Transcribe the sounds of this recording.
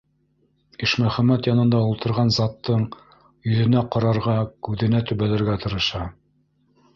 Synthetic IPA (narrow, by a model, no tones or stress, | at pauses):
iʃmæχæmæt̪jɑnɤ̆nd̪ɑulˠt̪ɤ̆ɾʁɑnzɑt̪ːɤɴ | jɵ̆ðɘ̆næqɑɾɑɾʁɑkʉðɘ̆næt̪ʉβælæ̆ɾɡæt̪ɤ̆ɾɤ̆ʃɑ